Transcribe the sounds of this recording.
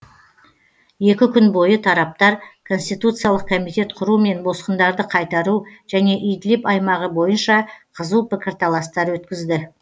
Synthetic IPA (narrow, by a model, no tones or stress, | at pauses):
je̞kʲɪkʲʰʏnbo̞jət̪ʰɑɾɑp̚t̪ɑɾkʰo̞nsʲt̪ijt̪ut̪sɨjalˠəq̚kʰo̞mijt̪ʲe̞t̪qʰʊɾume̞nbo̞sqənd̪ɑɾd̪əqʰɑjt̪ɑɾuʒ̥æne̞ʔʏjd̪ɪlepɑjmɑʁəbo̞jənʃɑqʰəzəlˠpɪkʲɪɾt̪ʰɑlˠɑst̪ɑɾwɵt̪kʲɪzd̪ɪ